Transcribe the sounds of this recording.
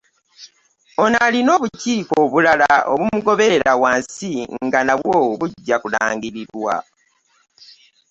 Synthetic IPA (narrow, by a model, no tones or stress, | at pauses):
onalino̞ːβuciːkoβulalao̰βumuɡo̞βe̞eɾawaːnsiŋŋɡanaβwoːwβuɟːakula̰ːŋɡiɾiɾwa̰